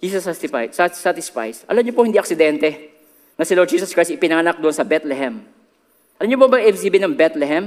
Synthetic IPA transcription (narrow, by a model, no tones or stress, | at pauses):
d͡ʒiːsɐsast̪ɪfa̰jsasat̪ɪsfa̰jsʔɐ̰lɐmɲopohɪnd̪iːʔɐksɪd̪ɛnt̪ɛ | nɐsɪlod͡ʒiːsɐskɹajstɪpɪnɐŋɐnak̚d̪ʊʔonsɐbɛt̪lɛɦɛm | ʔɐlɐmɲopobɐŋɪʔɛbsiːbɪnɐŋbɛt̪lɛɦɛm